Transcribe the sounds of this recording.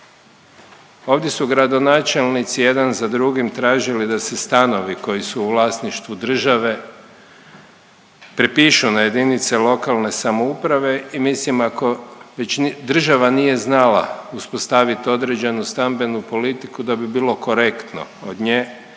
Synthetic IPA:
o̞ːʋd̪je̞suɡɾad̪o̞naːt͡ʃe̞lnit̪sije̞d̪anzad̪ɾuɡimt̪ɾaːʒilid̪ase̞st̪ano̞ʋiko̞jisuːʋlˠaːsniʃt̪ʋud̪r̩ʒaʋe̞ | pɾepiːʃunaje̞d̪init̪selo̞kalˠne̞samoupɾaʋe̞imislimako̞ʋet͡ɕd̪r̩ʒaʋanije̞znala̰uspo̞st̪aʋit̪o̞d̪ɾe̞d͡ʑe̞nust̪ambe̞nupo̞lit̪ikud̪abibiːlˠo̞ko̞ɾe̞kt̪no̰od̪ɲeː

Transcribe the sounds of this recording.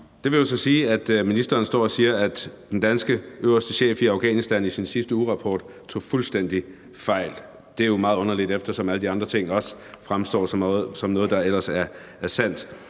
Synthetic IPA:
d̥e̝ʋe̝jo̝sɒ̽siːæd̥minisd̥ɐːnsd̥ɒ̰ːɒ̽siːɐæd̥d̥end̥ænsɡ̥əʔøʊ̰ɐsd̥əɕḛːfiɑ̈ʊɡ̥ɛ̰ːnisd̥ænisinsisd̥əuʁɑ̈pʰɒ̰ːd̥ | t͡sʰo̝̰ːfulsd̥en̰d̥i | fɑ̈ɪ̰l | d̥e̝æɐjo̝mɑ̈ːðˠɔ̽nɐlid̥efd̥ɐsɒ̽mæləd̥iɑ̈nd̥ʁɐt͡sʰe̝ŋ̰ɒ̽sfʁamsd̥ɒ̰ːsɒ̽mnɔ̽ːð̞̩ˠd̥ɑ̈el̰ɐsæɐ | æɐsæn̰d̥

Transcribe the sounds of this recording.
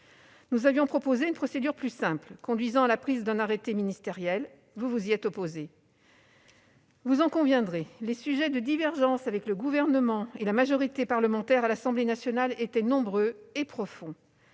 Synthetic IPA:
nuzavjɔ̃pχɔpozeynpχɔsed̪yʁplysɛ̃plkɔ̃d̪ɥizɑ̃alapχizd̪ɛ̃naʁet̪eminist̪eʁjɛl | vuvuziɛt̪ɔpoze | vuzɑ̃kɔ̃vjɛ̃d̪ʁelesyʒɛd̪əd̪ivɛʁʒɑ̃savɛkləɡuvɛʁnəmɑ̃elamaʒɔʁit̪epaʁləmɑ̃t̪ɛʁalasɑ̃blenasjɔnalet̪ɛnɔ̃bʁøepχɔfɔ̃

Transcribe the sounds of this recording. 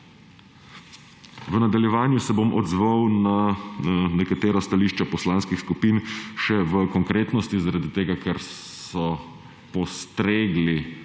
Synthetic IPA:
ʋənad̪aljɛʋaːnjusɛbomʔɔ̰d̪zʋawna | nɛkat̪eːɾɔst̪aliːʃt͡ʃapɔslaːnskixskupiːnʃɛʋəkɔŋkɾeːt̪nɔst̪izaɾad̪it̪eːɡakʰɛɾ | sɔ | pɔst̪ɾeːɡli

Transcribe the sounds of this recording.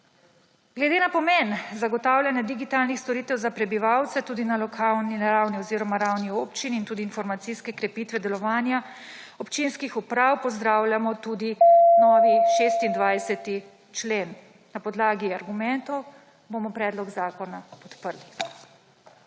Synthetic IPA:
ɡlɛd̪eːnapɔmenzaɡɔt̪aːwlʲjanjad̪iɡit̪aːlnixst̪ɔɾit̪ɛwzapɾɛbiʋawt̪sɛt̪uːd̪inalɔkʰalninaɾawniɔziːɾɔmaɾawnioːpt͡ʃinːnt̪uːd̪iːnfɔɾmat̪siskɛkɾɛpiːt̪ʋɛd̪ɛlɔʋaːnja | ɔpt͡ʃinskixupɾawpɔzd̪ɾaːwlʲjamɔt̪uːd̪inɔːʋiʃeːst̪ind̪ʋajsɛt̪i | t͡ʃlen | napɔd̪laːɡiaɾɡumɛnt̪ɔw | bomɔpɾɛːd̪lɔɡzaːkɔnapɔt̪pəɾli

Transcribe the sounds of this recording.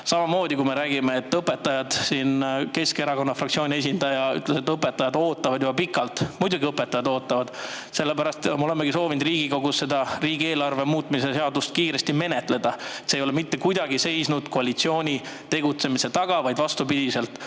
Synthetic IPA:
sɑmɑmo̞ːd̪̥ʲikume̞ɾæːɡ̥imeet̪ːɤpːˑe̞t̪ːˑɑjɑd̪̥siːnke̞ske̞ɾɑko̞nːɑfrɑkt̪sio̞ːnie̞sʲind̪ɑjɑy̰t̪ːˑlese̞t̪ːˑɤpːˑet̪ːˑɑjɑd̪̥o̞ːt̪ːˑɑvɑd̪jub̥ɑpikːˑɑlt̪mujd̪̥uɡiɤpːˑe̞t̪ːɑjɑd̪o̞ːt̪ːˑɑvɑd̪̥ | se̞lːepæɾɑst̪molemːeɡ̥iso̞ːvind̪riːɡ̥iko̞ɡusse̞d̪̥ɑriːɡie̞ːlɑrve̞muːt̪ːˑmise̞se̞ɑd̪ust̪kiːɾe̞st̪ime̞ne̞t̪ˑle̞d̪̥ɑet̪sejo̞le̞mit̪ːe̞kujd̪ɑɡ̥ise̞jsnud̪̥ko̞ɑlit̪sio̞ːnʲi | t̪e̞ɡ̥ut̪se̞mise̞t̪ɑɡ̥ɑvɑjd̪vɑst̪upid̪̥ise̞lt̪ːˑ

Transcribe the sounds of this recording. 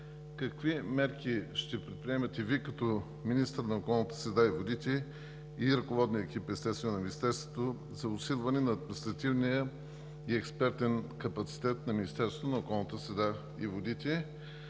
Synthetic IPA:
kɐkvimɛɾkiʃt̪ɛpɾɛt̪̚pɾiɛmɐt̪ɛvikɐt̪ɔ | minist̪əɾnɐokɔlˠnət̪ə̥sɾɛd̪aivod̪it̪ɛ | iɾɐkovɔd̪niəɛk̟ʲipɛst̪ɛt̪st̪vɛnɛnɐminist̪ɛɾst̪vot̪o | zɐʊsilˠvɐnɛnɐːd̪minist̪ɾɐt̪ivnijə | iɛkspɛɾt̪ɛnkɐpɐt̪si̥t̪ɛt̪nɐminist̪ɛɾsot̪onɐokɔlˠnət̪əsɾɛd̪a | ivod̪it̪ɛ

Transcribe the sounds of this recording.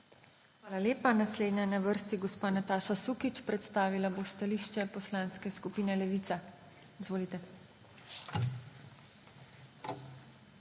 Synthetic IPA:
xʋaːlalʲeːpanasleːd̪ɲɛnaʋəɾst̪iɡɔspaːnat̪aːʃasukit͡ʃpɾɛt̪st̪aːʋilabost̪aliːʃt͡ʃɛpɔslãnskɛskupiːnɛlɛʋiːt̪sa | izʋoːlit̪ɛ

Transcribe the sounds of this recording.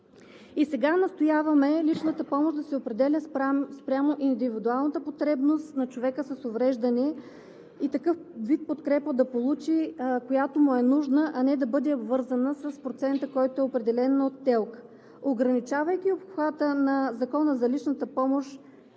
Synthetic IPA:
isɛɡanɐst̪ojavɐmɛlit͡ʃnət̪əpɔmoʒd̪ɐsɛopɾɛd̪ɛlʲəspɾʲamoʔind̪ivid̪ualˠnət̪əpot̪ɾɛbnost̪nɐt͡ʃovɛkəsɐsovɾɛʒd̪ɐnɛ | it̪ɐkɤfvit̪̚pot̪kɾɛpəd̪ɐpolˠut͡ʃikojat̪omuɛnuʒnəʔɐnɛd̪ɐbɤd̪ɛobvɤɾzənəsəspɾot̪sɛnt̪əkɔjt̪oɛopɾɛd̪ɛlɛnot̪ːɛlˠk | oɡɾɐnit͡ʃavɐjkʲiopxvat̪ənɐzɐkɔnəzɐlit͡ʃnət̪əpɔmoʃ

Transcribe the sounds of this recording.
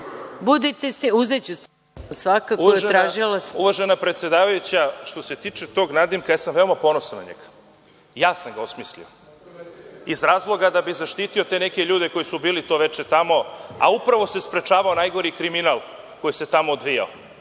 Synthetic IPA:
bud̪it̪esiuzet͡ɕus | sʋakakuoaeʒt̪ɾaːʒilˠasuʋaʒenapɾet̪sje̞d̪aːʋajut͡ɕaʃt̪o̞se̞t̪iːt͡ʃet̪o̞ɡnad̪imkajaːsamʋe̞o̞mapo̞nosana̰ɲḛɡ̥ḁ | jaːsamɡaosmislḭo | izɾaːzlˠo̞ɡad̪abizaʃt̪iːt̪io̞t̪e̞ne̞ke̞ʎuːd̪e̞ko̞jisubiːlit̪o̞ʋe̞t͡ʃet̪amo̞a̰upɾaʋo̞se̞spɾet͡ʃaːʋao̞najɡo̞ɾikɾiminalˠ | ko̞jise̞t̪amoːd̪ʋija̰o

